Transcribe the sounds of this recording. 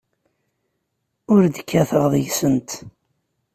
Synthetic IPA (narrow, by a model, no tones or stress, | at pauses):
ʊɾd̪əkːæθəʁðˤəʝsənt̪